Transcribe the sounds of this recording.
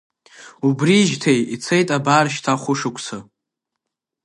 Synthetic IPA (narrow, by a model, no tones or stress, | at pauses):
ubriʒtʰejit͡sʰejtʼabaːrʃtʰaχʷʊʂɨkʷʰʼsʰa